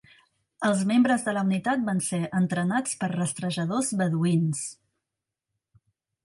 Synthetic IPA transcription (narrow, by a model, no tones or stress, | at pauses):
əlˠzmembɾəzðələunit̪at̪̚banseənt̪ɾənat͡spəɾrəst̪ɾəʒəðozβəðuins